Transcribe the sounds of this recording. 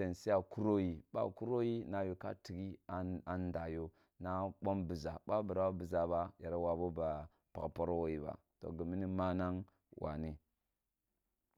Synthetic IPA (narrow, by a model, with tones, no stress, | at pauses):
e˨nsi˦a˨ku˦ɾo˦ji˨ɓa̰˦˨ku˦ɾo˦ji˦na˨jo˨ka̰˦ti˨ɡi˦a˨n˦da˨jo˦ | na˦ɓo˦mbi˨za˨ɓa˦bə˨ɾa˨˦a˦bi˨za˨ba˦ja˨ɾa˦wa˨bo˦ba˨ | pa̰˨kpo˦ɾo˦wo˦ji˨ba̰˨ | to̰˨ɡə˨mi˦ni˦ma˦na˦ŋ | wʔa̰˨ni˦